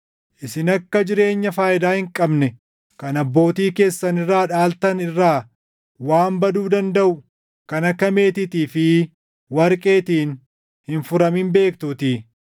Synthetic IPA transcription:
ʔɪsɪnɐkːɐd͡ʒɪɾe̞ːɲːɐfaːʔɪd̪aːhɪŋkʼɐbnɛ | kɐnɐbːo̞ːt̪iːke̞ːsːɐnɪrːaːᶑaːlt̪ɐnɪrːaː | waːmbɐd̪uːd̪ɐnd̪ɐʔʊ | kɐnɐkːɐme̞ːt̪ɪt̪iːfɪ | wɐɾkʼe̞ːt̪iːn | hɪnfʊɾɐmɪmbe̞ːkt̪uːt̪i

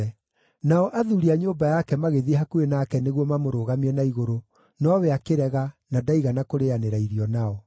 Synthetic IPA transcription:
naɔʔaðuɾiaɲoːmbajakɛmaɣeðihakuenakɛneɣwɔmamoɾoːɣamiɛnaiɣoɾo | nɔwɛakeɾɛɣanadaiɣanakoɾeaneɾaiɾiɔnaɔ

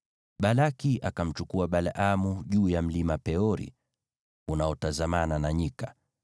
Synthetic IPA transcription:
ɓalakiʔakam̩t͡ʃukuaɓalaʔamuʄuːjam̩limapɛɔɾḭ | unaɔtazamananaɲika

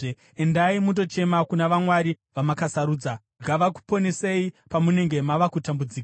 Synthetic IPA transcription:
endaimut̬o̞t͡ʃe̞makunaʋamwaɾi | ʋamakasaɾuːd͡za | ɡʱaʋaku̥po̞ne̞seipamune̞ŋɡe̞maʋakutambud͡ziːka

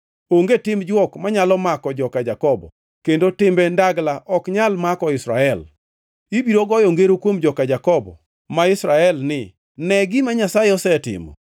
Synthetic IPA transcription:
oŋɡetɪmd͡ʒwɔkmaɲalɔmakɔd͡ʒɔkad͡ʒakɔbɔ̰ | kendotɪmbɛndaɡlaʔɔkɲalmakɔɪsɾa̰ɛl | ibiɾoɡɔjɔŋɡeɾokwomd͡ʒɔkad͡ʒakɔbɔ̰ | maɪsɾaɛlnɪ | nɛɡɪmaɲasajeɔsɛtɪ̰mɔ̰

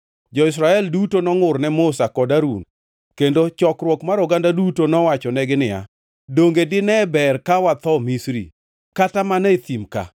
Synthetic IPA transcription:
d͡ʒɔɪs̬ɾaɛldutonɔŋʊrnɛmʊsakɔdaɾṵn | kendot͡ʃɔkɾwɔkmaɾɔɡandadutonɔwat͡ʃɔnɛɡɪnɪja̰ | doŋɡedɪnɛbɛrkawat̪ɔmisɾḭ | katamanɛt̪imka̰

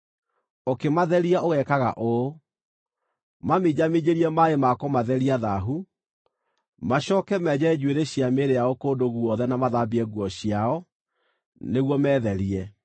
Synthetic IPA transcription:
okemaðɛɾiaʔoɣɛkaɣa̰ʔo | mamed͡ʑamed͡ʑeɾiɛmaemakɔmaðɛɾiaðaɦu | maɕɔːkɛmɛːd͡ʑɛd͡ʒweɾeɕiameɾeaokoːdoɣuɔðɛnamaðabiɛɣwɔɕiaɔ | neɣwɔmɛːðɛɾiɛ

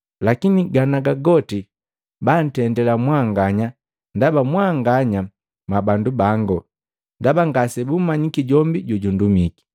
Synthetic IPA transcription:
lakiniɡanaɡaɡɔti | ban̩tɛndɛlamwaŋɡaɲa | ndabamwaŋɡaɲa | mabandubaŋɡɔ | ndabaŋɡasɛbumaɲikiɟɔmbiɟuɟundumiki̥

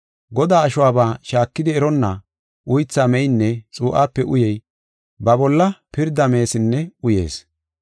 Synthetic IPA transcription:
ɡɔd̪aːʃʊwaːbaːʃaːkːɪd̪ɪɛɾɔnːa | ʔʊjt͡sːaːmɛjnːɛt͡sʼuːʔaːpːɛʔʊjɛj | bɐbɔlːɐpɪɾd̪ːɐme̞ːsɪnːɛʊje̞̰ːs

